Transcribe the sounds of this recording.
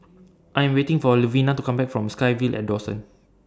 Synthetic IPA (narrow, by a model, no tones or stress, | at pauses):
ʔajɛ̃mwetɪ̃ŋfɔluvĩnatukãmbɛk̚fɹɔ̃mskajvilʔɛ̰t̚dɔsə̰̃n